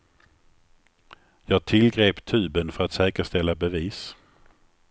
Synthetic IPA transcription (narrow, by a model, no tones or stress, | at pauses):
jɑːɡ̚t̪ʰɪlɡɾeːpt̪ʰʉ̟ːbənfœɾat̪sɛːkəʂt̪ɛlːabɛviːs